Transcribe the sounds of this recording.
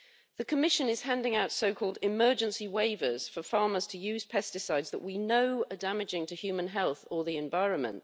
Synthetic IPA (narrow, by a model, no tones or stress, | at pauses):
ðəkʰəmɪʃə̃nɪz̥hæ̃ndɪ̃ŋaʊtsəʊkʰɔːlˠdɪmɜːd͡ʒə̃nsiweɪvəz̥fəfɑːməz̥tʰəjʉːz̥pʰɛstɪsaɪdzðəʔwinəʊədamɪd͡ʒɪ̃ŋtʰəhjʉːmə̃nɦɛlˠθəðiɛ̃ɱvaɪɹə̃nmə̰̃nʔ